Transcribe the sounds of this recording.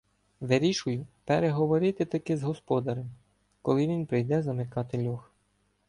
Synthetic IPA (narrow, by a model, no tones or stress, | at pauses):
ʋeɾʲiʃʊjʊpeɾeɦɔʋɔɾɪt̪ɪt̪ɐkɪzɦɔspɔd̪ɐɾem | kɔlˠɪʋʲinpɾɪjd̪ɛzɐmɪkɑt̪ɪlʲɔx